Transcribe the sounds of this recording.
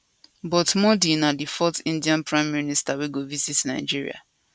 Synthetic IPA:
bɔtmɔdinadifɔtĩndiãnpɹãɪ̃mːiinistaweɡovisitna̰ɪd͡ʒiɹḭa̰

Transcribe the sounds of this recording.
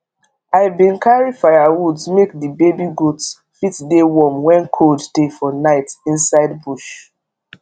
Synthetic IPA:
aɪbĩnkʰaɹifaɪawudzmek̚dibebiɡots | fitdewɔmwɛ̃nkʰoldtefɔnaɪtĩnsaɪdbuʃ

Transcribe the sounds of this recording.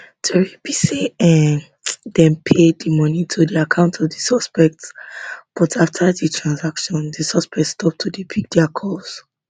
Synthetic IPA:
tʰɛɹipisiɛ̃ | dɛ̃npʰeddimɔnitʰudiakʰãʊ̃ntʰɔvdisɔspɛk̚tsb̥ɔtʰaftʰaditʰɹãnsakʃɔ̃ndisɔspɛktstʰɔp̚tʰudipʰik̚dɛakʰɔs

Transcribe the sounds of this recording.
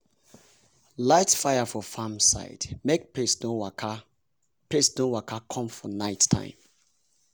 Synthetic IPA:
laɪtfaɪafɔfamsa̰ɪdmek̚peso | pɹesnowakʰakʰɔ̃mfɔnaɪtʰã̰ɪ̃m

